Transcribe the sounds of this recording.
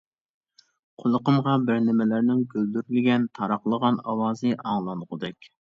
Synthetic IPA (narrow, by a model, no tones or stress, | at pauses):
qʰolˠəqəmʁɑbɪɾnɪmɪlæɾnɪŋɡʲøld̪yɾylɪɡʲɛnt̪ʰɑɾɑχlˠəʁɑnɑwɑːzɨʔɑŋlˠɑnʁʊd̪ɛkʲ